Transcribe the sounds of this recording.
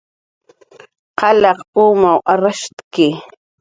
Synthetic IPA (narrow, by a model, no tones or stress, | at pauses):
qɑlɑquːmawʔaɾaʃt̪kɪ